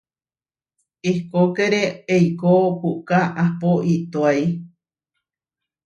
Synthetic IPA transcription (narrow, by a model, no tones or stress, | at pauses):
ikokeɾeejkohukaʔapoʔit̪oaj